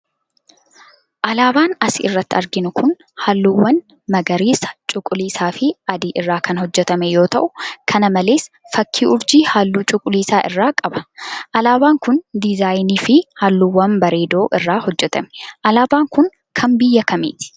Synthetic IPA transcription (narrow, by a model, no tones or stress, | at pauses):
ʔɐlaːbaːnɐsɪɪrːɐt̪ːɪɐɾɡɪnʊkʰʊn | haːlːuwːɐn | mɐɡɐɾiːsɐ̥t͡ʃʼʊkʼːʊliːsaːfɪɐd̪iːʔɪrːaːkɐnhɔd͡ʒːɛt̪ɐmɛjo̞ːt̪ɐʔʊkʰɐnɐmɐle̞ːs | fɐkːiːʔʊɾd͡ʒiːhaːlːuːt͡ʃʼʊkʼːʊliːsaːʔɪ̰rːaːkʼɐbɐ̥ʔɐlaːbaːŋkʊnd̪ɪzaːjniːfɪhaːlːuːwːɐnbɐɾe̞ːd̪o̞ːʔɪrːaːhɔd͡ʒːɛt̪ɐmɛ̥ʔɐlaːbaːŋkʊn | kʰɐmbɪjːɐkɐmḛːt̪ɪ̥